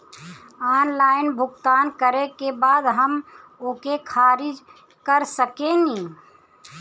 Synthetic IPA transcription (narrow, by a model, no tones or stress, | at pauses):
aːnlaːɪnbʱʊɡt̪aːnkəɾekebaːd̪ɦəmʊkekʰaːɾɪd͡ʒ | kəɾsəkeniː